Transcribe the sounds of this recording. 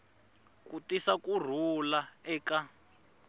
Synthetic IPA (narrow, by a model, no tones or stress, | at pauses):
kutisakur̤ulaɛːka